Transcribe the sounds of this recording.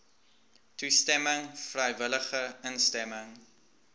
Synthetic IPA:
tustɛməŋfrɛjvələχəənstɛməŋ

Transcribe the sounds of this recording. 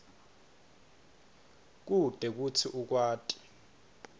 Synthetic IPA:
k̬ʼud̥ʱɛk̬ut͡sʰiʔuk̬waːtʼi̥

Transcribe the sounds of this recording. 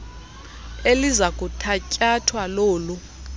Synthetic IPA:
elizakʼutʰacʼatʰwaloːlu

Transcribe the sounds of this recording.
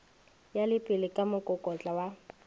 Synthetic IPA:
jalɪpʼɪlɪkʼamʊkʼʊkʼɔt͡ɬʼawa

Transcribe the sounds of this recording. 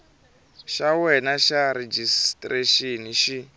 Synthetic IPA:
ʃawɛnaʃaɾed͡ʒistʼreʃeniʃi

